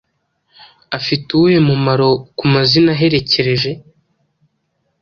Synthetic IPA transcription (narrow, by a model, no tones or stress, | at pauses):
afituje̞mumaɾo̞kumazinaɦe̞ɾe̞ce̞ɾe̞ʒe̞